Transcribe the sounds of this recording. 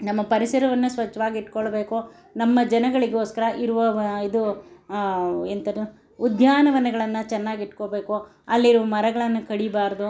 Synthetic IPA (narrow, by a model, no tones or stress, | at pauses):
nɐmːɐpɐɾisɐɾɐʋɐnːusʋɐt͡ʃːɐʋaːɡiiʈːkoɭɐbeːku | nɐmːɐd͡ʒɐnɐɡɐɭiɡeo̞ːskɐɾɐʔiɾuʋɐid̪u | ent̪ɐɾ | ud̪jaːnɐʋɐnɛɡɐɭɐnːɐt͡ʃɛnːaːɡiʈːkoːbeːku | ɐlːiɾuʋɐmɐɾɐɡɐɭɐnːukɐɽibaːɾɐd̪u